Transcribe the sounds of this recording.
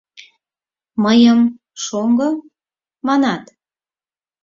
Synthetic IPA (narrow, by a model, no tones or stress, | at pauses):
məjəm | ʃoŋɡɤ | mɑnɑt̪